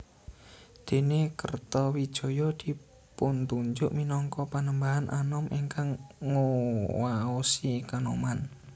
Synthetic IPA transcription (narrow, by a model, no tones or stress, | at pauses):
d̪̥e̤nekərt̪ɔwid̥ʒ̥ɔ̤jɔd̪̥i̤ | punt̪uɲd͡ʒʊʔminɔŋkɔpanəmbaɦanʔanɔmʔiŋkaŋːowaosikanoman